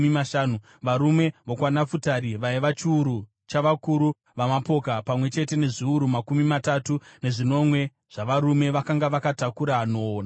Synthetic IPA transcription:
imaʃaːnu | ʋaɾume̞ʋokwanafutaɾiʋajiʋat͡ʃiuɾu | t͡ʃaʋakuɾu | ʋamapo̞kapamwe̞t͡ʃe̞te̞ne̞ʐiuɾumakumimatatune̞ʐino̞mwe̞ | ʐ̥aʋaɾume̞ʋakaŋɡaʋakatakuɾano̞ːna

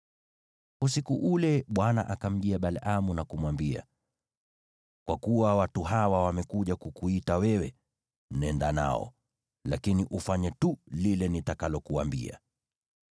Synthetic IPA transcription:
us̬ikuʔulɛɓwana̰ʔakam̩ʄiaɓalʔamunakumwambia̰ | kwakuwawatuɦawawamɛkuʄakukuitawɛwɛ | nɛndana̰ɔ̰ | lakiniʔufaɲɛtulilɛnitakalɔkuambḭa̰

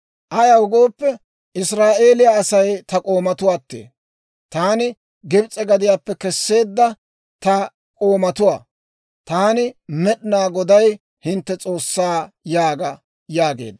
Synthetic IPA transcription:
ʔɐjɐwʊɡo̞ːpːɛ | ʔɪsɾaːʔe̞ːlɪjaːsɐjt̪ɐkʼo̞ːmɐt̪ʊwaːt̪ːḛː | t̪aːnɪ | ɡɪbt͡sʼːɛɡɐd̪ɪjaːpːɛkɛsːe̞ːd̪ːɐ | t̪ɐ | kʼo̞ːmɐt̪ʊwa̰ː | t̪aːnɪmɛɗɪnaːɡɔd̪ɐj | hɪnt̪ːɛt͡sʼo̞ːsːaː | jaːɡɐ | jaːɡe̞̰ːd̪

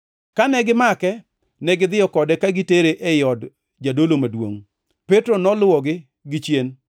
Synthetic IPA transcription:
kanɛɡɪmakɛ | nɛɡɪd̪ɪjɔkɔdɛkaɡɪteɾeʔɛjɔd | d͡ʒadolomadwo̰ŋ | petɾonɔlʊwɔɡɪ | ɡɪt͡ʃjen

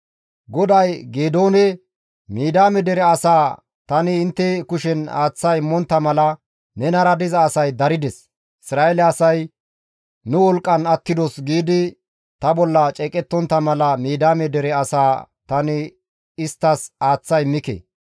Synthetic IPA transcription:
ɡɔd̪ɐjɡeːd̪oːnɛ | miːd̪aːmɛd̪ɛɾɛɐsaː | t̪ɐnɪːnt̪ːɛkʊʃɛna̰ːt͡sːɐjɪmːɔnt̪ːɐmɐlɐ | nɛnɐɾɐd̪ɪzɐːsɐjd̪ɐɾɪd̪ɛs | ɪsɾaːʔɛlɛɐsɐj | nʊwɔlkʼːɐnɐt̪ːɪd̪ɔsɡiːd̪ɪ | t̪ɐbɔlːɐt͡ʃʼɛkʼɛt̪ːɔnt̪ːɐmɐlɐmiːd̪aːmɛd̪ɛɾɛɐsaːt̪ɐnɪ | ɪst̪ːɐsaːt͡sːɐjmɪkḛ

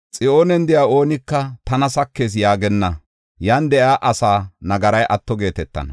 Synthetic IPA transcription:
t͡sʼɪʔoːnɛnd̪ɪjaːo̞ːnɪkːɐt̪ɐnɐsɐkːe̞ːs̬jaːɡɛnːɐ | jaːnd̪ɛʔaːʔɐsaːnɐɡɐɾɐjʔɐt̪ːɔɡe̞ːt̪ɛt̪ːɐ̰nɐ

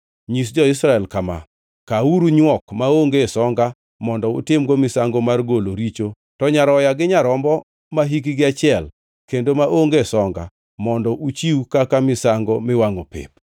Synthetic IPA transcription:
ɲis̬d͡ʒɔɪsɾaɛlkama̰ | kauɾuɲwɔkmaoŋɡesɔŋɡa | mɔndɔʊ̰tɪmɡomɪsaŋɡomarɡoloɾit͡ʃo | tɔɲaɾɔjaɡɪɲaɾɔmbɔ | maɦik̬iɡɪat͡ʃɪɛl | kendomaʔoŋɡesɔŋɡa̰ | mɔndɔʔut͡ʃiwkakamɪsaŋɡɔmɪwaŋopɪ̰p

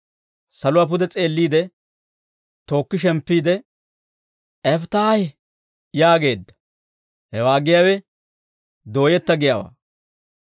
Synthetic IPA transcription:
sɐlʊwaːp̬ʊd̪ɛt͡sʼe̞ːlːiːd̪ɛ | t̪o̞ːkːɪʃ̬ɛmpːiːd̪ɛ | ʔɛft̪aːj | jaːɡe̞ːd̪ːɐ̥ | hɛwaːɡɪjaːwɛ | d̪o̞ːjɛt̪ːɐɡɪjaːwa̰ː

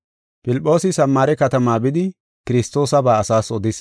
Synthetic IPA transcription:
pɪlpʼːo̞ːsɪsɐmːaːɾɛkɐt̪ɐmaːbɪd̪ɪ | kɪɾɪst̪ːo̞ːsɐbaːɐsaːsɔd̪ɪs

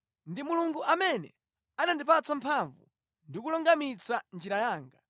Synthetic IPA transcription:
ndimuluŋɡuʔamɛnɛ̰ | anandipat͡sampʰaɱvṵ | ndikulɔŋɡamit͡sand͡ʒiɾajaːŋɡa

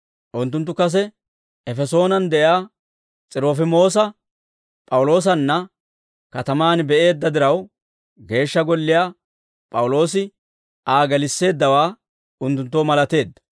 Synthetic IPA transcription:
ʔʊnt̪̬ːʊnt̪ːʊkɐs̬ɛ | ɛfɛso̞ːnɐnd̪ɛʔjaː | t͡sʼɪɾoːfɪmo̞ːsɐ | pʼɐwʊlo̞ːs̬ɐnːɐ | kɐt̪ɐmaːnbɛʔe̞ːd̪ːɐd̪ɪɾɐw | ɡe̞ːʃːɐɡɔlːɪjaː | pʼɐwlo̞ːsɪ | ʔaːɡɐlɪsːe̞ːd̪ːɐwaː | ʊnt̪ːʊnt̪ːoːmɐlɐt̪e̞ːd̪ːɐ̥

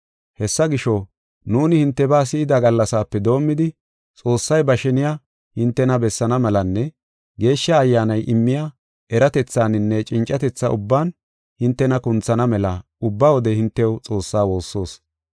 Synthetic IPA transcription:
hɛsːɐɡɪʃɔ | nuːnɪhɪnt̪ːɛbaːs̬ɪɪd̪ɐɡɐlːɐsaːpːɛd̪o̞ːmːɪd̪ɪ | t͡sʼo̞ːsːɐjbɐʃɛnɪja | hɪnt̪ːɛnɐbɛsːɐnɐmɛlɐnːɛ | ɡe̞ːʃːɐːjːaːnɐjʔɪmːɪja | ʔɛɾɐt̪ɛt͡sːaːnɪnːɛt͡ʃʼɪnt͡ʃʼːɐt̪ɛt͡sːɐʔʊbːaːn | hɪnt̪ːɛnɐkʊnt͡sːɐnɐmɛlɐ | ʊbːawɔd̪ɛhɪnt̪ːɛwt͡sʼo̞ːsːaːwo̞ːsːo̞ːs

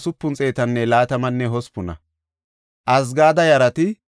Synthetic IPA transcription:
sʊpːʊnt͡sʼe̞ːt̪ɐnːɛlaːt̪ɐmɐnːɛɦɔspʊnɐ̰ | ʔɐs̬ɡaːd̪ɐjɐɾɐt̪ɪ

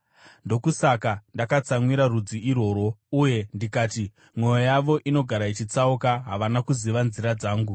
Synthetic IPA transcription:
ndo̞kusakandakat͡samwiɾarud͡ziiro̞ːɾo̞uje̞ndikaːti | mwo̞jojaʋo̞ʔino̞ɡʱaɾait͡ʃit͡saukaɦaʋanakuziʋanziɾad͡zaːŋɡu

